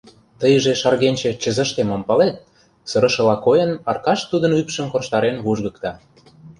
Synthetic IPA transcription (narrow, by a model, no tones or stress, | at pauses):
t̪əjəʒeʃɑrɣenʲt͡ɕĕt͡ɕə̆zə̆ʃt̪emompɑlet̪̚ | sɤ̆ɾə̆ʃɤ̆lɑkojə̆nɑrkɑʃt̪ud̪ə̆nypʃə̆mkorʃt̪ɑɾenβuʒɣɤ̆kt̪ɑ